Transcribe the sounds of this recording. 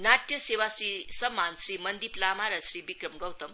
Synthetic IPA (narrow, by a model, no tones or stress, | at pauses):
naʈjɐsewasɾisɐmːansɾimɐnd̪iplamaɾɐsɾibikɾɐmɡʌwt̪ɐm